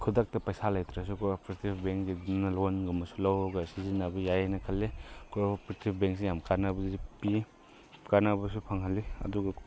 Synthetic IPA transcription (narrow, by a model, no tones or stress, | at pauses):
kʰudak̚tɐpɐjsalajt̪ɾas̬ukʰɔpʰoɾitibbeŋkɡidimnɐlɔnɡumɐsulawɡɐsizinabɐjajanɐkʰɐlːekopɾtibbeŋksijamkaɾnabɐipi | kaɾnabɐsupʰaŋɦaliɐ̰duɡɐ